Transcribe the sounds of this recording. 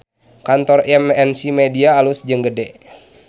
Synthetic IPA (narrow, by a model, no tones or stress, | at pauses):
kant̪ɔrɛmɛnsimediaːlusd͡ʒəŋɡədɛ